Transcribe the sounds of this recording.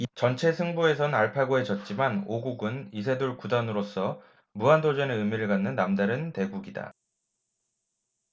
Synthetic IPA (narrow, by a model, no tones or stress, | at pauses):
t͡ɕʌnt͡ɕʰe̞sʰɯŋbue̞sʰʌnnaɭpʰaɡoɦe̞d͡ʑʌt̚t͡ɕ͈imanoɡuɡɯnis̬ʰe̞doɭkudanɯɾos͈ʌ | muandod͡ʑʌneɯmiɾɯɭɡanːɯnːamdaɾɯnte̞ɡuɡida̰